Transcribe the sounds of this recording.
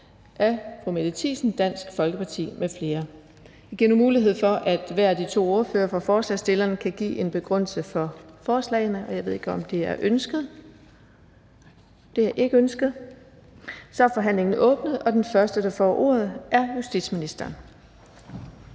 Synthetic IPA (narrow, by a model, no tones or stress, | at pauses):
ʔæfʁumed̥et͡sʰḭːsn̩d̥æn̰sɡ̥fɒ̽lɡ̥əpʰɑ̈t͡sʰḭːmefle̝ːɐ | æɡ̥iɐnumuːliɦe̝ð̰ˠfɒ̽ʔæd̥ʋæɐ̰æd̥it͡sʰo̝̰ːo̝ɐføːɐfʁɑ̈fɒːslɛ̰sd̥e̝lɐnkʰæɡ̥ḭːe̝nb̥e̝ɡ̥ʁœn̰lsəfɒ̽fɒːslɛ̰ɪnəʔɒ̽jɑ̈ʋe̝ðˠe̝ɡəɒ̽md̥e̝æɐʔønsɡ̥ð̩ˠ | d̥e̝æɐʔe̝ɡ̥əønsɡ̥əð̩ˠ | sɒ̽æɐfɒ̽ɦæn̰le̝ŋn̩ʔɔ̽ːb̥nəð̩ˠɒ̽d̥enfɶɐsd̥əd̥ɑ̈fɒ̰ʔo̝ːɐð̞ˠʔæɐjusd̥id̥sminisd̥ɐːn